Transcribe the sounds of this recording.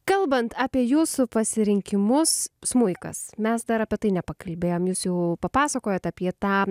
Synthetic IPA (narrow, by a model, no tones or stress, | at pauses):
kɐlˠbɐnt̪ɑːpʲiɛjuːsʊpɐsʲɪɾʲɪŋʲkʲɪmʊssmʊɪkɐ̰smʲɛsd̪ɐɾɐpʲiɛt̪ɐɪnʲɛpɐkɐlʲbʲeːjoːmjuːsjɛʊpɐpɑːsɐkoːjot̪ɐpʲiɛt̪ɑː